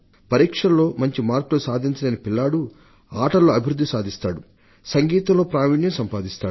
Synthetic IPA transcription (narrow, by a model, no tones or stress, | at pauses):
pɐɾiːkʂɐnlo̞ːmɐɲt͡ʃimaːɾklosaːd̪ʱiɲt͡ʃɐlɐnipilːaːɽu | aːʈɐlːo̞ːɐbʱiɾud̪ːisaːd̪ʱist̪aːɽu | sɐŋɡiːt̪ɐmlo̞ːpɾaːʋiːɳjɐmsɐmpaːd̪ist̪aː